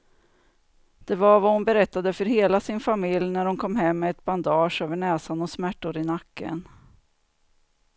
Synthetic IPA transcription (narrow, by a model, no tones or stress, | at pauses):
d̪̥ɛvaɾvahʊnbɛɾɛt̪ːad̪əfœɾɦeːlasɪnfamɪljnæɾhʊnkʰɔmːɦɛmːɛːt̪band̪ɑːʂøːvəɳɛːsanɔsmæʈːʊɾɪnakːə̰n